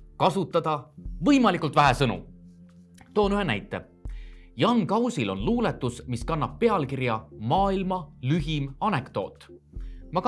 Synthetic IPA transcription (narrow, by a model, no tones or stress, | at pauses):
kɑsut̪ːˑɑd̪̥ɑvɤjmɑlikˑult̪væɦesɤnṵ | t̪o̞ːnyɦe̞næ̰jt̪ːˑe̞̰ | jɑŋkɑwsʲilo̞̰nluːlet̪ːˑusmiskɑnːɑb̥̚ːe̞ɑlkiɾjɑmɑːilmɑlyɦimɑne̞kt̪o̞ːt̪ːˑ | mɑk